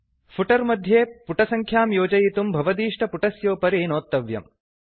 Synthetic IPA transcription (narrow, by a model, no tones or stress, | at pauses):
pʰuʈɐɾmɐd̪ʱjeːpuʈɐsɐŋkʰjaːmjoːd͡ʒɐjit̪umbʱɐʋɐd̪iːʂʈɐpuʈɐsjoːpɐɾinoːt̪ːɐʋjɐ̰m